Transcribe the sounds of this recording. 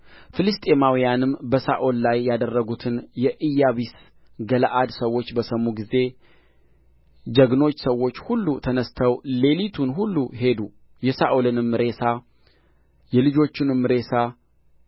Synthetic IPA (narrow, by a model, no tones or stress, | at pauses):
fɨlɨst̪ʼe̞mawijanɨmbəsaʔollajːad̪ərːəɡut̪ʰɨnjɛʔɨjaβis | ɡəlʔad̪səwːo̞t͡ʃːbəsəmːuɡize̞ | d͡ʒəɡno̞t͡ʃːsəwːo̞t͡ʃːhulːut̪ʰənəst̪ʰəwle̞lit̪ʰunɦulːuɦe̞d̪u | jɛsaʔolɨnɨmːɨɾe̞sa | jɛlɨd͡ʒo̞t͡ʃːɪnɨmːɨɾe̞sa